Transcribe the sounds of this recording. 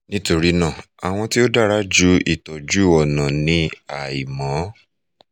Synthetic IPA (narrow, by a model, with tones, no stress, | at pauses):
nĩ˦to˧ɾi˦nãː˦˨ | a̰˨w̃ɔ̃˧ti˦o˦da˦˨ɾa˦d͡ʒu˦ḭ˦˨tɔ˨d͡ʒu˦ɔ˨nã˨nĩ˧a˨i˨mã˨˦